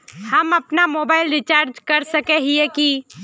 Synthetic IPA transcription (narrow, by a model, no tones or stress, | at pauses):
hɐmɐpnamoːbaːɪlɾɪt͡ʃaːɾd͡ʒkɐɾsəkɛɦiɛki